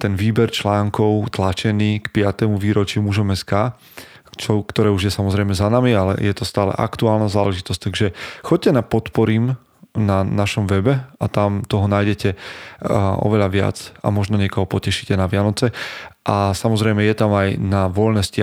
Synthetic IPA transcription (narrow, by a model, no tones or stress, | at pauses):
t̪ɛnʋiːbɛɾt͡ʃlaːŋkɔʊt̪lat͡ʃɛniːkpɪat̪ɛmuʋiːɾɔt͡ʃimuʒɔmɛskaː | t͡ʃɔkt̪ɔɾɛːuʒjɛsamɔzɾɛjmɛzanamialɛ̰jɛt̪ɔst̪aːlɛ̰ʔa̰kt̪uaːlnazaːlɛʒit̪ɔsc̚t̪aɡʒɛxɔɟ̚cːɛnapɔt̪pɔɾim | nanaʃɔmʋɛbɛat̪amt̪ɔɦɔnaːjɟɛcɛ | ɔ̰ʋɛʎaʋɪa̰t͡sa̰mɔʒnɔɲɛkɔɦɔpɔcɛʃi̥cɛnaʋɪanɔt͡sɛʔasamɔzɾɛjmɛjɛt̪amajnaʋɔlnɛscɪ